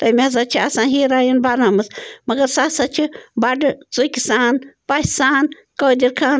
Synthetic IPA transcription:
t̪ɐmʲazɐt͡ʃʰiɐsãːɦiːɾaːjinbaɾnaːmɐsmɐɡɐɾsasɐt͡ʃʰibɐɖɨt͡sukʲisaːnpasaːn | kɐːd̪iɾkʰaːn

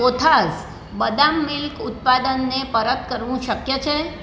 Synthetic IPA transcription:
ot̪ʰas | bəd̪amːɪlkʊt̪̚pad̪ənːepəɾət̪kəɾʋũʃəkjət͡ʃʰe

